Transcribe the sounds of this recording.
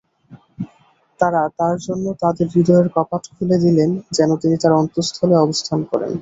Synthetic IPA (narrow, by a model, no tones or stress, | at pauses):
t̪aɾat̪aɾd͡ʑonːot̪ad̪eɾbid̪ʱɔeɾkɔpatkʰuled̪ilend͡ʑɛnot̪init̪aɾɔnt̪ost̪ʰoleɔbost̪ʰankɔ̰ɾḛn